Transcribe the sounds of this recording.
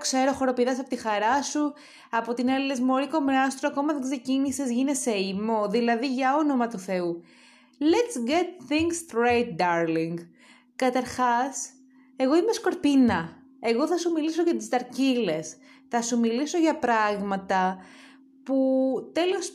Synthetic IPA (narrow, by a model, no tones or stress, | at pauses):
kse̞ɾo̞xo̞ɾo̞piðɐsɐpot̪ixɐɾɐsu | ɐpo̞t̪inelezmo̞ɾiko̞meɐst̪ɾoɐko̞mɐðeɡse̞cinisezʝineseimo̞ðilɐðiʝɐo̞no̞mɐt̪uθe̞u | let̪sɡet̪̚θiŋɡst̪ɾejt̪̚d̪ɐɾliŋɡ | kɐt̪ɐɾxɐs | e̞ɣo̞imesko̞ɾpinɐ | e̞ɣo̞θɐsumiliso̞ʝɐt̪izd̪ɐɾcile̞s | θɐsumiliso̞ʝɐpɾɐɣmɐt̪ɐ | put̪e̞lio̞s